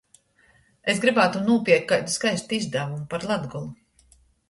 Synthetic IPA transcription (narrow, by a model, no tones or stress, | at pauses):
esɡɾibaːt̪unuɔpiɛk̚kajd̪uskajst̪uizd̪avumupaɾlˠad̪ɡulˠu